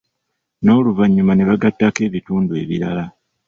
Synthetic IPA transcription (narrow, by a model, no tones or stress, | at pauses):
no̞ːluvaɲːumane̞βaɡatːake̞ːβituːndue̞̰βiɾala